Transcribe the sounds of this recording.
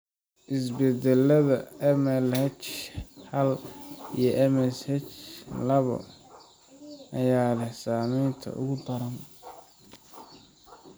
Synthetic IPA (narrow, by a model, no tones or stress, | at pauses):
ʔɪs̬bɛd̪ɛlɐðɐɛmɛlhɛt͡ʃhɐlijɞʔɛmɛshɛt͡ʃlɐβɔ̰ | ʔɐjaːlɛsaːmɛjnt̪ʰɐ̰ʔʊ̰ɣʊd̪ɐɾɐn